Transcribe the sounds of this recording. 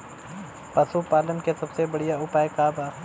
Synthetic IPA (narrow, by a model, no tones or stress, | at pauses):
pɐsupaːlənkesɐbsebɐɽijaʊpaːekaːbaː